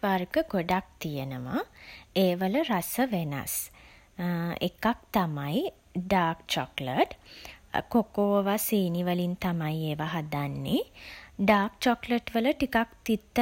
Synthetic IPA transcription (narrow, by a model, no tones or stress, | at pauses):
ʋarɡəɡoɖak̚t̪ijənəma̰eːʋələɾasəʋena̰s | ḛkak̚t̪amaj | ɖaːkt͡ʃɔkləʈ | kokoːʋaseːniʋəlint̪amajeːʋaɦad̪anːeɖaːkt͡ʃɔkləʈʋələʈikakt̪it̪ːə